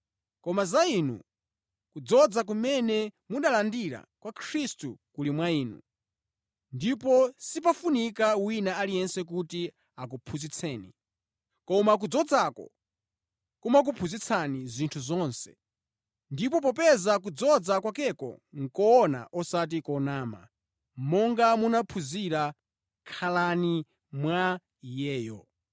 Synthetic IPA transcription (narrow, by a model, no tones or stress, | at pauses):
kɔmazainṵ | kud͡zɔd͡zak̬umɛnɛmuɗalandiɾa̰kwakʰɾistukulimwaiːnṵ | ndipɔsipafunikawinaalijɛnsɛk̬uti | ak̬upʰuzit͡sʰɛːnḭ | kɔmak̬ud͡zɔd͡zakɔ̰ | kumak̬upʰuzit͡sʰanizʷintʰuzɔnsɛ̰ | ndip̬ɔp̬ɔpɛzak̬ud͡zɔd͡zakwakɛkɔ̰ŋ̩kɔɔna̰ʔɔsat̬ikɔnaːma̰ | mɔŋɡamunapʰuziɾa | kʰalani | mwa | jɛːjɔ